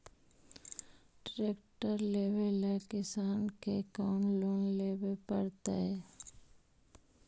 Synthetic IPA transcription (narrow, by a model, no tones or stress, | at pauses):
ʈɾeːkʈəɾleːʋelːekɪsaːnkekɔːnloːnleːbepəɾt̪a̰ɦɛː